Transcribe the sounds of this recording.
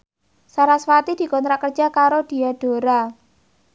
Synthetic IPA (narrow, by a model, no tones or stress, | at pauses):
saɾaswat̪id̥i̤kɔnt̪ɾaʔkər̥d͡ʒa̤kaɾod̥i̤aɖ̥o̤ɾa